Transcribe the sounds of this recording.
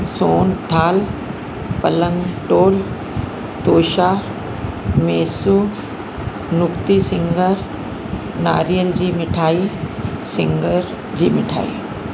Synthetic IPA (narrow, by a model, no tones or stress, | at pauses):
soːnd̪ʱʰaːl | pɐlə̃ŋɡʈoːl | t̪oːʃa | mɛːsu | nʊkt̪isɪ̃ŋɡəɾ | na̰ːɾijəld͡ʑiːmɪʈʰaːisɪ̃ŋɡəɾ | d͡ʑiːmɪʈʰa̰ːḭː